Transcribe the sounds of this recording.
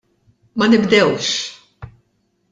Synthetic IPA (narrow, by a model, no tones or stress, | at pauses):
mɐnɪbd̪ɛwʃ